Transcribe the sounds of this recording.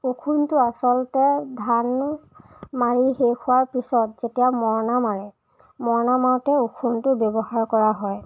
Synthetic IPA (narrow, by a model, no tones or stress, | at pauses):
ukʰuntʊasɔltɛdʱan | maɹiɦekʰʊwaɹpisɔtzetijamɔɹnamaɹɛ | mɔɹnamaɹtɛukʰuntʊbjɔbɔhaɹkɔɹaɦɔj